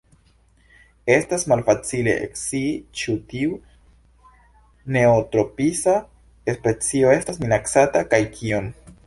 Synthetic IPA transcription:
e̞stasmalfat͡sile̞̰ʔḛksit͡ʃutiu | ne̞otɾo̞pisa | espet͡sio̞e̞stasminaksatakajkʰiom

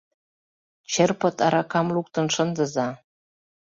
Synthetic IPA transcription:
t͡ɕerpɤ̆t̪ɑɾɑkɑmluk̚t̪ɤ̆nʃə̆nd̪ə̆zɑ

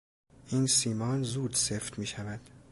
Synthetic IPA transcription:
ʔiːnsiːmɒːnzuːd̪seft̪miːʃævæd̪̥

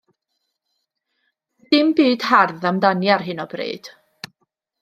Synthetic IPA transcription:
d̥ɪmbiːd̥harðamdanjarɦɨnɔb̥rḛːd̥

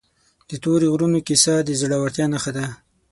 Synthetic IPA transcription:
d̪̥ət̪oɾeɣɾunokisɑd̪əzɽawaɾt̪jɑnaxad̪a

